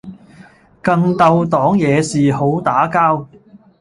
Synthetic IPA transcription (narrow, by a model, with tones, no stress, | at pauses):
kɐ˧ŋt̪ɐ˧wt̪ɔː˨˥ŋjɛː˨˧siː˨ho˨˥wt̪aː˨˥kaː˥w